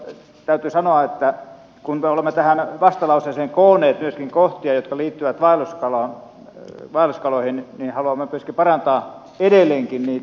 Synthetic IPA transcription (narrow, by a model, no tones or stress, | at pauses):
t̪æyt̪yːsɑnoɑet̪ːæ | kunmeolemːet̪æhænʋɑst̪ɑlɑuseiseːŋkoːnˑeːt̪myøskiŋkoht̪iɑjot̪kɑliːt̪ːyʋæt̪ʋɑiluskɑlɑːn | ʋɑiluskɑloihinniːhɑluɑmːemyøskipɑrɑnt̪ɑː | edelːˑeːŋkinniː